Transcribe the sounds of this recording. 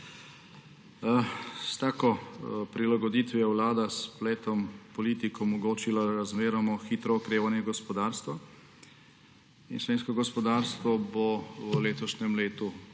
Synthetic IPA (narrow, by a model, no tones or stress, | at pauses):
st̪aːkɔpɾilaɡɔd̪it̪ʋɛwlaːd̪aspleːt̪ɔmpɔliːt̪ikɔmɔɡoːt͡ʃilaɾazmeːɾamɔxiːt̪ɾɔɔkɾeːʋanjɛɡɔspɔd̪aːɾst̪ʋa | inʃʋeːnskɔɡɔspɔd̪aːɾst̪ʋɔbɔleːt̪ɔʃnɛmleːt̪u